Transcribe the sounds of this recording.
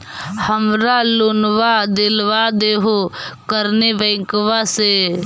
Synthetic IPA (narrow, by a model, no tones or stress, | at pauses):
həmɾalonʋad̪ɪlʋad̪eːɦokəɾnebɛ̃ːŋkʋase